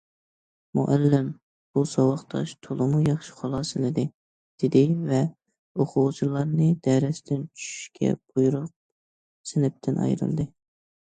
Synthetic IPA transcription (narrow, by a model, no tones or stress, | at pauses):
mṵʔælːɪm | b̥usɑwɑχt̪ʰɑ̰ʃt̪ʰolˠɨmujɑχʃɪ̥χɑlˠɑːsɨlɪd̪ɪ | d̪̥ɪd̪ɪvɛ | oqʰʊʁt͡ʃʰulˠɑɾnɨd̪ɛɾɛsɪt̪ʰɪnt͡ʃʰy̥ʃy̥ʃkʲʰɛ̰b̥ujuɾʊq̚ | sɪnɪp̚t̪ʰɪnʔɑ̰jɾɨ̰lˠd̪ɨ